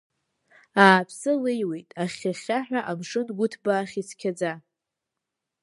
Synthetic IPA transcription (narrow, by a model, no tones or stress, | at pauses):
aːpʰsɨlejwejtʼaχʲaχʲaħᶣaʔamʂɨnɡʷʊtʰbaːχʲit͡sʰkʲʰad͡za